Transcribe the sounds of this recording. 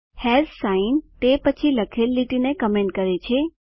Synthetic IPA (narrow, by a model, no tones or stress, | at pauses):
hɛzsaint̪epət͡ʃʰiləkʰelːiʈinekəmẽɳʈkəɾet͡ʃʰe